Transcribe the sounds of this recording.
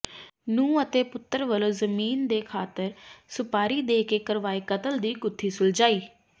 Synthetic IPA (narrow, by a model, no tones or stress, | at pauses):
nũːət̪eːpʊt̪ːəɾʋəloːzəmiːnd̪eːkʰaːt̪əɾsʊpaːɾiːd̪eːkeːkəɾʋaːiːkət̪əld̪iːkʊt̪ʰːiːsʊld͡ʒaːiː